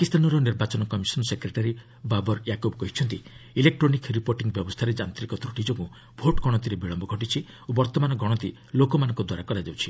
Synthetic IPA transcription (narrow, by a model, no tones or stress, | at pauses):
pakist̪ʰanɔɾɔniɾbat͡ʃɔnɔkɔmisɔnɔsekɾeʈaɾi | babɔɾjakobɔkɔɦit͡ʃʰɔnt̪iilek̚ʈɾonikɾipoɾʈiŋɡbjɔbɔst̪ʰaɾed͡ʒant̪ɾikɔt̪ɾuʈid͡ʒɔkũ | bʱoʈɡʱɔɽ̃ɔt̪̬iɾebiɭɔmbɔɡʱɔʈit͡ʃʰi | obɔɾt̪ɔmanɔɡʱɔɽ̃ɔt̪i | lokɔmanɔŋkɔd̪waɾakɔɾad͡ʒawt͡ʃʰi̥